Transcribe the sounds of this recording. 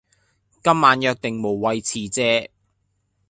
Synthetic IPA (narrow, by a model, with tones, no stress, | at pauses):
kɐ˥mmaː˨˧njœː˧k̚t̪ɪ˨ŋmo˨˩wːɐ˨˧jt͡sʰiː˨˩t͡sɛː˧˥